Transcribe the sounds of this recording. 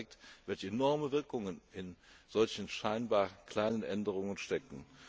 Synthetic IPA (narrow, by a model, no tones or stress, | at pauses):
k̚tv̥ɛlçəenɔɐməvɪɐkʊŋənɪnz̥ɔlçn̩ʃaɪnbaːɐkʰl̥aɪnənʔɛndəʁ̞ʊŋənʃtɛkn̩